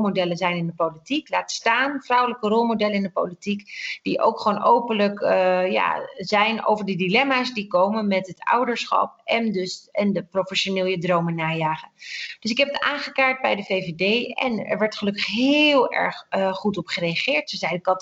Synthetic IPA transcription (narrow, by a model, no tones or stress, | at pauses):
lmodɛlənzɛjnɪndəpowlitiklaːtstaːnfrʌwələkərɔlˠmodɛləɪndəpo̰wlitikd̥iʔo̰wkχʋoːnʔowpənləkja̰ːzɛjno̰wvəɹdədilɛmaːsdikowmənmɛtɦətʌ̰wdəɹsχɑ̰p̚ɛndɵsɛndəprofɛʃonɪːlˠjədrowmənaːjaːχənd̥ɵs̬ɪkɦɛpətaːχəkaːɹt̚bɛjdəvejvedejɛ̰nɛ̰ɹʋɛɹtχəlɵkəχɦɪlˠɛ̰ɹχχutɔpχərejaχɪːɹtsozɛjdəkɑt